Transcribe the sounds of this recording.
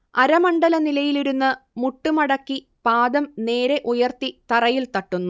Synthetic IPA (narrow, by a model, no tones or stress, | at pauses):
ɐɾɐmɐɳɖɐlɐnilɐjiluɾunːɨmuʈːumɐɽɐkːi | paːd̪ɐmne̞ːɾe̞ʔujɐrt̪it̪ɐrɐjilt̪ɐʈːunːu